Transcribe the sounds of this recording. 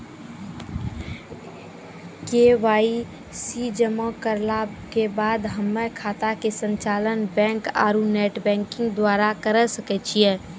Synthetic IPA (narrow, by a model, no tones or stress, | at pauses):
keːʋaːi | siːd͡ʒəmõkəɾlakebaːd̪ɦəmːekʰaːt̪akesə̃ɲt͡ʃaːlənbɛ̃ːŋka̰ːɾuneːʈbɛ̃ːŋkɪ̃ŋɡd̪waːɾakəɾəsəkɛt͡ʃʰiɛ̃ː